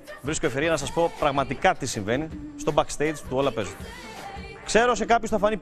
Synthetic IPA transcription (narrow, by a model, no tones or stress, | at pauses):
vɾiskoefeɾiɐnɐsɐspo̞pɾɐɣmɐt̪ikɐt̪isiɱve̞nist̪o̞bɐkst̪ejd͡zt̪uo̞lɐpe̞zu | kse̞ɾo̞se̞kɐpçosθɐfɐni